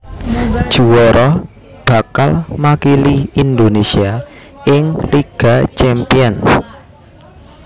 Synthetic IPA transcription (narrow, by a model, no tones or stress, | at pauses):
d̥ʒ̥ṳwɔɾɔ | b̥ä̤kalmakiliind̪onesia | ɪŋliɡ̥a̤t͡ʃɛmpiɔn